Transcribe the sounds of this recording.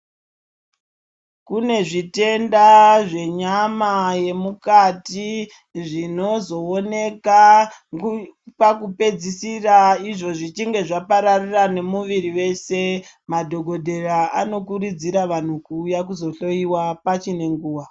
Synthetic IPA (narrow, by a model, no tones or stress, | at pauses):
kune̞ʐite̞ndaʐe̞ɲamaje̞mukati | ʐino̞zo̞ːne̞ka | pakupe̞d͡zisiraiʐo̞ʐit͡ʃiŋɡe̞ʐapaɾarirane̞muʋiɾiʋe̞semadʱo̞ɡʱo̞dʱe̞raano̞kurid͡ziɾaʋan̤ukujakuzo̞ɬo̞iwapat͡ʃine̞ŋɡuːwa